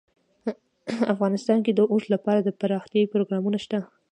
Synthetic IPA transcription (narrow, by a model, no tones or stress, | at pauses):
afɣɑnɪst̪ɑnked̪əʔuslapɑɾad̪əpaɾɑxt̪jɑipɾoɡɾɑmunaʃt̪a